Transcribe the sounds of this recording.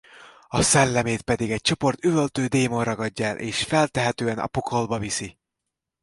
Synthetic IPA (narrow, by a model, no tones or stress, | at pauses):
ɒsɛlːɛmeːt̪pɛd̪iɡɛc̚t͡ʃo̞po̞rt̪yvølt̪øːd̪eːmonrɒɡɒɟːɒɛlʔḛːʃfɛlt̪ɛɦɛt̪øːɛnɒ̰pokʰo̞lbɒvisi